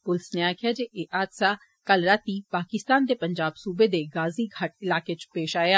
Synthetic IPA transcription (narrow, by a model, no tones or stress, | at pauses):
pʊlsneaːkʰjaːd͡ʒeʔeʔaːd̪saː | kəlɾaːt̪iːpaːkɪst̪aːnd̪epəɲd͡ʒaːbsuːbed̪eɡaːziɡʱɐʈɪlaːket͡ʃpeːʃaːjaː